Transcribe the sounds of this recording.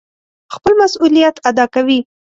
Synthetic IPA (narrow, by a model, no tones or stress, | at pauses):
xpəlmasulijat̪ad̪ɑkawi